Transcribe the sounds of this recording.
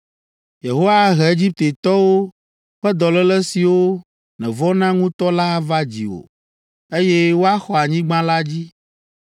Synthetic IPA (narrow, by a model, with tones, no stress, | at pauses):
je˨ɦo˦wa˦ɦɛ˨e˦d͡ʑi˦p̚t̪e˨t̪ɔ˦wo˦ | ɸɛ˦d̪ɔ˨lɛ˦lɛ˦si˨wo˦ | nɛ̃˨vɔ˦nã˦ŋũ˦t̪ɔ˦la˦va˦d͡ʑḭ˨o̰˨ | e˦jɛ˦wo˦a˦xɔ˨a˨ɲĩ˦ɡ͡bã˦la˦d͡ʑi˦